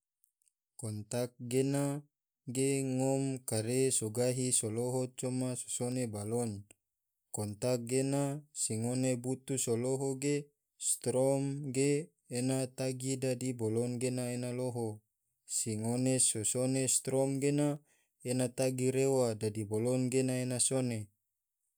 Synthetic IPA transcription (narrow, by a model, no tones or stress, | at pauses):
kɔnt̪ak̚ɡena | ɡeŋɔmkaɾesoɡaɦisoloɦot͡ʃɔmaso̥sonebalɔn | kɔnt̪ak̚ɡenasiŋonebut̪usoloɦoɡe | st̪ɾɔmɡeː | nat̪aɡidadibolɔnɡenaenaloɦo | siŋonesosonest̪ɾɔmɡena | enat̪aɡiɾewadadibolɔnɡenaenasone